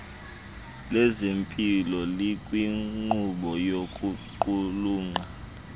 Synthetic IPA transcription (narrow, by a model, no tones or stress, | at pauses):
lɛzempʼilɔlikʼwiŋ͡ǃuɓɔjokʼuǃuluːŋ͡ǃa